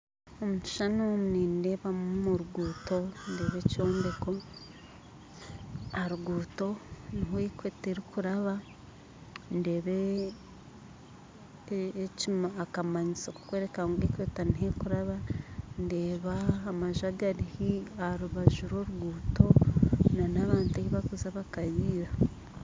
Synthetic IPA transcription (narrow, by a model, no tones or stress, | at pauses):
omui̥ʃanumuninde̞βammuɾuɡuːto̞nde̞ːβe̞co̞ːnde̞ko̞ | aɾuɡuːto̞niɦoikweːteɾikuɾaβa | nde̞ːβe | cimakamaɲisoku̥kwe̞ːɾe̞kaŋɡoikwetaniɦekuɾaβande̞ːβaːmaʒaɡaɾihiaɾuβaʒuɾo̞ːɾuɡuːto̞nanaβaːnteiβakuzaβakaβiːɾa